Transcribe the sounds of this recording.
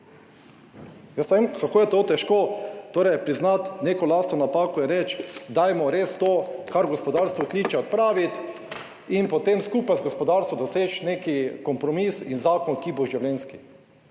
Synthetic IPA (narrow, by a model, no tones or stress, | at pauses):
jəsɐʋemkakoːjɛt̪ot̪ɛʃkoːt̪oːɾɛjpɾiznat̪neːkɔlaːst̪nɔnapaːkɔjɛɾɛt͡ʃd̪ajmɔɾest̪oːkaɾɡɔspɔd̪aɾst̪ʋɔkliːt͡ʃɛɔt̪̚pɾaːʋit̪ | inpɔt̪emskuːpajzɡɔspɔd̪aɾst̪ʋɔd̪ɔseːt͡ʃnekikɔmpɾɔmisinzaːkɔnkiboʒiwlɛnski